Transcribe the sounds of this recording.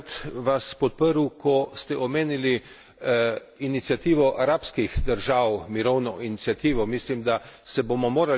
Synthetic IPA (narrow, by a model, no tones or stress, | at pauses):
t̪ʋaspɔt̪̚pəɾukɔst̪ɛʔɔmeːnili | init̪sijat̪iːʋɔʔaɾaːpskixd̪əɾʒaːwmiɾɔwnɔʔinit̪sijat̪iːʋɔmislimd̪asɛbomɔmoːɾa